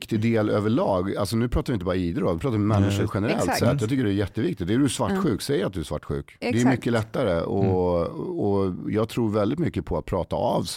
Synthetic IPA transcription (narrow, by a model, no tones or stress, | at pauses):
kt̪ɪd̪eːløːvəɭɑːɡalsɔnʉ̟ːpʰɾɑːt̪avɪnəbɑɾaiːd̪ɾəɾɔmvɪpʰɾɑːt̪aɾmɛnːɪʂəɾɧɛnəɾɛ̰lt̪sɛt̪ːjɑɡt̪ʏkːəɖɛæɾjɛt̪ːəvɪk̚t̪ɪt̪̚d̪æɖɵsvaʈːɧʉ̟ːksɛjːəɾat̪d̪ɵæʂva̰ʈːɧʉ̟ːkd̪ɛæɾmʏkːəlɛt̪ːaɾəɔ | ɔjɑːɡt̪ʰɾuːɾvɛld̪ɪt̪mʏkːəpʰɔat̪̚pʰɾɑːt̪a̰a̰vs